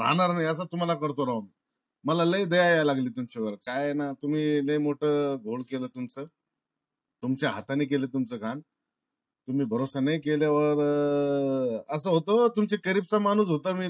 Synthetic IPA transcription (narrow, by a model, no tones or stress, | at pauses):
ɾa̰naɾnajəs̬at̪um̤alakəɾt̪oɾawm | məlaləjd̪əjajalaɡliːt̪umt͡ɕaʋəɾkajenat̪um̤iːlə̃jmoʈʰəːɡʱoɭkeləːt̪umt͡sə | t̪umt͡ɕjaɦat̪aniːk̬elet̪umt͡səɡʱan | t̪um̤iːbʱəɾosənəjkeljaʋəɾ | əs̬əːɦot̪̬ot̪umt͡sekəɾib̚t͡samanuːs̬ɦot̪əmiː